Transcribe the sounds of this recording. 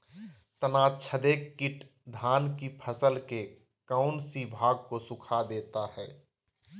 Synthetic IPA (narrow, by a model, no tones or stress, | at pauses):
t̪ənaːt͡ʃʰəd̪eːkːɪʈ | d̪ʱaːnkipʰəsəlke | kaʊnsibʱaːɡ̚kosʊkʰad̪eːt̪ahɛː